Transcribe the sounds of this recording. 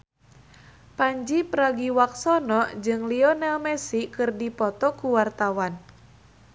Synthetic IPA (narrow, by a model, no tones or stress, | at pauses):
paɲd͡ʒipəɾaɡiwak̚sɔnɔʔd͡ʒɨŋliɔnɛlmɛsikɨrdipɔt̪ɔkuwart̪awan